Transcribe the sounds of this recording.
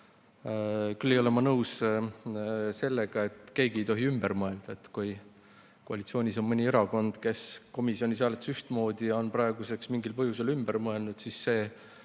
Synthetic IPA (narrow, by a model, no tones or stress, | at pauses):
kylːejo̞le̞mɑnɤws | se̞lːeɡ̥ɑe̞t̪ːˑke̞ːɡie̞jt̪o̞ɦiymb̥eɾmɤe̞ld̪̥ɑet̪ːkuj | koɑlit̪sio̞ːnʲiso̞nmɤnʲie̞ɾɑɡo̞nd̪̥ke̞sko̞misio̞nʲis̬ɑlet̪syht̪mo̞ːd̪̥ijɑo̞nprɑe̞ɡuse̞ksmiŋɡilpɤɦjuse̞lymbermɤe̞lnud̪̥sisːe̞ː